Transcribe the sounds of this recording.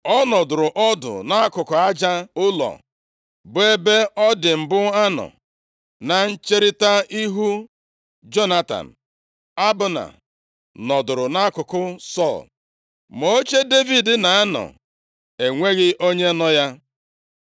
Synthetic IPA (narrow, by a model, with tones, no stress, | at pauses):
ɔ˦nɔ˨dʊ˨ɾʊ˨ʔɔ˦dʊ̰˨na˦a˦kʊ˨kʊ˨a˦d͡ʒa˦ʊ˦lɔ̰˨ | bʊ˨e˦be˦ɔ˦dɪ˨m̩˨bʊ˦a˦nɔ̰˨ | na˨n̩˦t͡ʃe˦ɾɪ˦ta˦i˦ɦu˦ | d͡ʒo˦na˦ta̰˨n̩˨ | a˦bʊ˨na̰˨ | nɔ˨dʊ˨ɾʊ˨na˦kʊ˨kʊ˦sɔ˦˨l | mo˨o˦t͡ʃe˦de˦vi˨dɪ˨na˨a˦nɔ̰˨ | e˨ŋʷe˦ɣɪ˦ʔo˦ɲe˦nɔ˦ja˦